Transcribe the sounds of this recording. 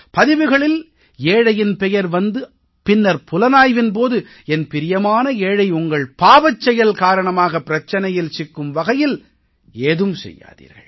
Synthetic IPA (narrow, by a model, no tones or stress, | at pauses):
pɐðɪʋɯɣɐɭɪl | eːɻɐjɪnpɛjɐɾʋɐnd̪ɯ | pɪnːɐɾpʊlɐnaːjʋɪnp̬oːðɯ | ɛnpɪɾɪjɐmaːnɐeːɻɐɪʊŋɡɐɭpaːʋɐt͡ʃːɛjɐlkaːɾɐɳɐmaːɣɐpːɪɾɐt͡ʃːɐnɐjɪlsɪkːɯmʋɐɣɐjɪl | eːðɯmsɛ̰jːa̰ːðḭːɾɣɐ̰ɭ